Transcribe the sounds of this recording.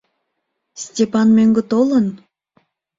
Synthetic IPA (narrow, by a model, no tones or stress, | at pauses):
sʲtʲepɑnmøŋɡə̆t̪olən